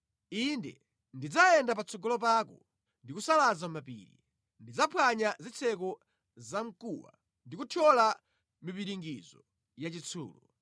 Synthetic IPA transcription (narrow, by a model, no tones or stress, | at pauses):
indɛ̰ | ndid͡zaɛndapat͡sʰɔɡɔlɔpaːkɔ | ndikusalazamapḭːɾḭ | ndid͡zapʰwaɲazit͡sʰɛkɔ | zaŋ̩kuwa̰ | ndikutʰɔla | mipiɾiŋɡizɔ | jat͡ʃit͡sʰṵːlɔ